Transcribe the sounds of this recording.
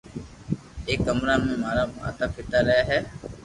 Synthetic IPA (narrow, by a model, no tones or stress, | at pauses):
ekːɐmɾaːmːemaɾamuɐ̰t̪ɐpːit̪aɾɛːɦɛ